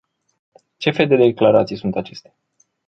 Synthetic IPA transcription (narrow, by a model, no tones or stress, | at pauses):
t͡ʃe̞fe̞ld̪e̞d̪e̞klaɾat̪sijsunt̪at͡ʃe̞st̪e̥